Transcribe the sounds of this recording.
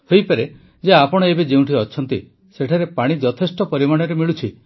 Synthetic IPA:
hojpaɾe | d͡ʒeapɔɽ̃ɔebed͡ʒeũʈʰiɔt͡ʃʰɔnt̪i | seʈʰaɾepaɽ̃id͡ʒɔt̪ʰesʈɔpɔɾimaɽ̃ɔɾemiɭut͡ʃʰi

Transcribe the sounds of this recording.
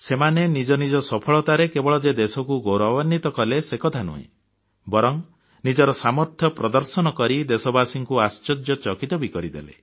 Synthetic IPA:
semanenid͡ʒɔnid͡ʒɔsɔpʰɔɭɔt̪aɾekebɔɭɔd͡ʒed̪esɔkuɡowɾɔbanːit̪ɔkɔlesekɔt̪ʰanṵɦḛ̃ | bɔɾɔŋ | nid͡ʒɔɾɔsamɔɾt̪ʰjɔpɾɔd̪ɔɾsɔnɔkɔɾid̪esɔbasiŋkuast͡ʃɔd͡ʒjɔt͡ʃɔkit̪ɔbikɔɾid̪ḛlḛ

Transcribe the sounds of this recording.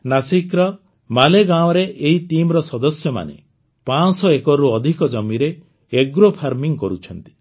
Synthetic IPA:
nasikɾɔ | maleɡaɔ̃ɾeʔeɦit̪imɾɔsɔd̪ɔsjɔma̰nḛ | pasɔekɔɾuɔd̪ʱikɔd͡ʒɔmiɾe | eɡɾopʰaɾmiŋkɔɾut͡ʃʰɔnt̪i̥

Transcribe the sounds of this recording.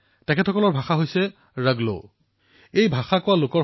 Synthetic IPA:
tɛkʰɛtʰɔkɔlɔɹbʱaxaɦojsɛ | ɹaɡlo̰ | ejbʱaxakʊwalokɔ

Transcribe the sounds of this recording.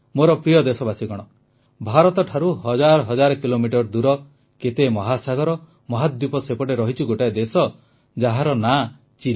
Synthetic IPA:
moɾɔpɾijɔd̪esɔbasiɡɔɽ̃ɔ | bʱaɾɔt̪ɔʈʰaɾuɦɔd͡ʒaɾɔɦɔd͡ʒaɾɔkilomiʈɔɾd̪uɾɔ | ket̪emɔɦasaɡɔɾɔ | mɔɦad̪jupɔsepɔʈeɾɔɦit͡ʃʰiɡoʈaed̪esɔ | d͡ʒaɦaɾɔna | t͡ʃi

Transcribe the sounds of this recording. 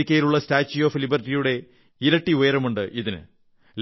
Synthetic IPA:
ikʲːɐjiluɭːɐstaːt͡ɕːijoːflibɐrtːijuɽe̞ | iɾɐʈːiojɐɾɐmuɳɖɨʔiðinɨ̰ | l

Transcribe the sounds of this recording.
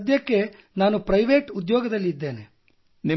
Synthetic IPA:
d̪jɐkːe̞ | naːnupɾɐjʋeːʈud̪jɔːɡɐd̪ɐlːid̪ːe̞ːnḛ | ni

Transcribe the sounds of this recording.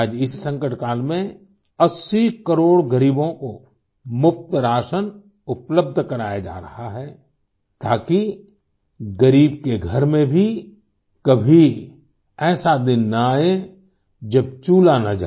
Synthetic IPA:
d͡ʒɪsːə̃ŋkəʈkaːlmẽ | ɐsːikəɾoːɽɡəɾiːbõko | mʊp̚t̪əɾaːʃən | ʊpləb̚d̪ʱkɐɾaːjad͡ʒa̰ːɾɐhaɦɛː | t̪aːki | ɡəɾiːbkeɡʱɐɾmẽbʱi | kɐbʱi | ɛːsad̪ɪnːaaːe | d͡ʒɐb̚t͡ʃuːlanad͡ʒa̰ː

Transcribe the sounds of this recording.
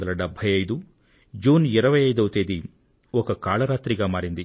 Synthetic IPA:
d̪ɐlɐɖɐbʱɐjɐjd̪u | d͡ʒuːniɾɐʋɐjɐjd̪ɐwt̪eːd̪i | ɔkɐkaːɭɐɾaːt̪ɾiɡɐmaːɾind̪i

